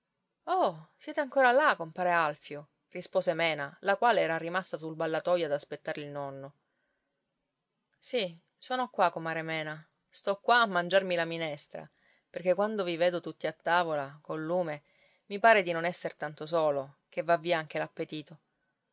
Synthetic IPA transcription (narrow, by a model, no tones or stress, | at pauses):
ɔsjɛːt̪eaŋkoːɾalakompaːɾealfjo | rispoːzemɛːnalakwaːleɛːɾarimast̪asulbalːat̪ɔjad̪aspet̪ːaːɾeilnɔnːo | si | soːnokwakomaːɾemɛːna | st̪ɔkːwaːmːand͡ʒarmilaminɛst̪ɾa̰ | perk̟ekːwand̪oviveːd̪ot̪ut̪ːiat̪ːaːvolakolːuːme | mipaːɾed̪inonɛsːert̪ant̪os̬oːlo | k̟evːavːiːaaŋk̟elapːet̪iːt̪o